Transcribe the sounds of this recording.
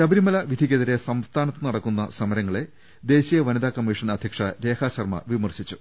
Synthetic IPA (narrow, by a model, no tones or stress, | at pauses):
t͡ɕɐbɐɾimɐlɐʋid̪ʱikːɐðɐɾesɐmst̪ʰaːnɐt̪ːɨnɐɽɐkːunːɐ̰sɐmɐɾɐŋːɐɭe̞ | d̪e̞ːɕijɐʋɐniðaːkɐmːiʂɐnɐd̪ʱjɐkʂɐɾe̞ːkʰaːɕɐrmɐ̰ʋimɐrɕit͡ɕːu